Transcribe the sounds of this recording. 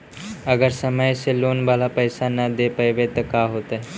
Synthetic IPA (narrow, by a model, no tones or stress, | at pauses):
əɡəɾsəməjseloːnbʱalapəjsanːad̪epəjʋet̪əkaɦot̪ə